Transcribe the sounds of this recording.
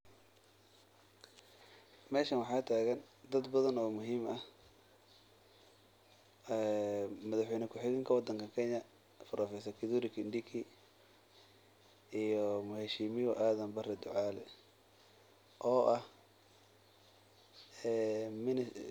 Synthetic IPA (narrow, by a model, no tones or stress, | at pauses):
mɛːʃɐnwɑħɑːt̪ʰaːɣɐn | d̪ɐd̪bɐðɐnɔːmʊɦiːmɐh | ɛmɐðɐħwɛjnɪkʰʊħɪɣɪŋkʰɐwɑd̪ɐŋkʰɐkʰɛɲɐ | fɐɾʔɐfɛs̬ɐkʰɪðuɾɪkʰɪnd̪ikʰi | ijɔmʊhɛːʃɪmɪjɔʔaːðɐmbɐrɛd̪ʊʕaːlɛ | ʔɔːʔɐh | ɛːmɪn